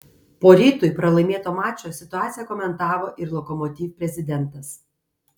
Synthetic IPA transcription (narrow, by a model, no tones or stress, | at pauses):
poːɾʲiːt̪ʊɪpɾɐlˠɐɪmʲeɛt̪oːmɑːt͡ʃʲoːsʲɪt̪ʊɑːt̪sʲɪjɛkɔmʲɛnt̪ɑːʋoːʔɪɾlˠɔkɔmɔt̪ʲiːfpʲɾʲɛzʲɪd̪ʲɛnt̪ɐs